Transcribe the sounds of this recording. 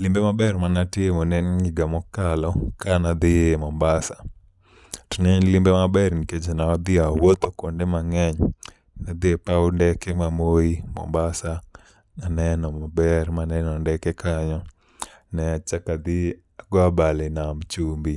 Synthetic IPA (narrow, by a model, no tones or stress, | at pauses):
lɪmbemabɛrmanatɪemonɛnɲiɡamɔkalɔkanad̪ɪemɔmbasa | tnɛɲlɪmbemabɛɾniket͡ʃenaɔd̪ɪawot̪okondemaŋɛɲ | nad̪ɪepaundɛkɛmamoimɔ̰mbasa | nanɛnɔmabɛrmanɛnɔndɛkɛkʰaɲɔ | nɛat͡ʃakad̪i | aɡɔabalɪnamt͡ʃumbi